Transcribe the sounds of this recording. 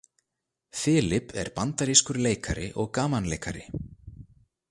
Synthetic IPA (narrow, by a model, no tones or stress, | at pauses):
fɪːlɪpʰɛ̰ɾpant̪aɾiskʏɾleːjkaɾɪ̰ʔɔɣkaːmanleːjkaɾɪ